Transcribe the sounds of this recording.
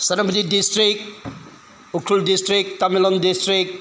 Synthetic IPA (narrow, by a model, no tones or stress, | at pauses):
sɐnɐpʰutidistɾik̚ | ukʰːuldistɾik̚tamilɔndistɾik̚